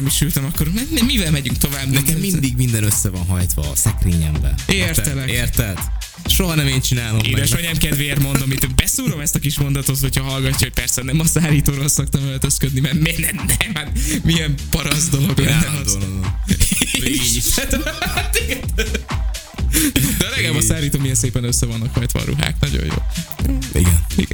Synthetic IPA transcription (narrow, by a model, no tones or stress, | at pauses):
miʃylt̪ɛmɒkːo̞ɾmɛnɛmːivɛlmɛɟyŋkt̪o̞vaːbːnɛkɛmmːind̪iɡmind̪ɛnøsːɛvɒnɦɒjt̪ʋɒ̰sɛkriːɲɛ̰mbɛ̰ʔerɛlɛeːrt̪ɛlt̪ | ʃoɦɒnɛmeːnt͡ʃinaːlomeːd̪ɛʃɔɲɛmkɛd̪vermo̞nd̪omːit̪ːøbɛsuːɾo̞mɛst̪ɒkiʃmo̞nd̪ɒt̪o̞t̪ho̞cʰhɒɦɒlɡɒcːɒɦoc̚pɛrsɛnɛmɒzaːliːt̪oːɾolsok̚t̪ɒmɛlt̪øskød̪nimɛrmɛnɛmnɛmɛmiɛmpɒɾɒzd̪oloɡlɛɛnɒd̪ | ʃt̪t̪iɡɛn | d̪ɛɒlɛɡɛbɒsaːɾiːt̪oːmiɛnseːpɛnøsːɛvɒnːɒkhɒjt̪ʋɒ̰ːɾṵɦa̰ːknɒɟo̰jo̰ː | ḭɡɛ̰nḭɡɛ̰